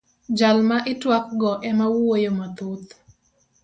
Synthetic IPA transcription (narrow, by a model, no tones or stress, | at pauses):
d͡ʒalmaʔɪtwak̚ɡɔʔɛmawwojomat̪ut̪